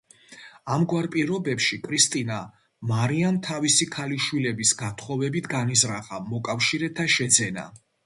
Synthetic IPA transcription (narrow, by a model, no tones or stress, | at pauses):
amɡwaɾpʼiɾɔbɛpʃikʰʼɾist̪ʼina | maɾiant̪ʰavisikʰaliʃwilɛbisɡat̪ʰχɔvɛbit̪ʰɡanizɾaχamɔkʼafʃiɾɛt̪ʰaʃɛd̪zɛna̰